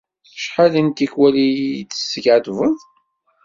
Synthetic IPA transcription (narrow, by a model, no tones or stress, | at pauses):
θə̥ʃħalənt̪ikwælitːə̥sːəɡʕt̪vəð